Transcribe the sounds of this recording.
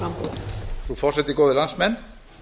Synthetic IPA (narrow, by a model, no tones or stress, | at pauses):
amprufɔset̪ikoðelansmɛn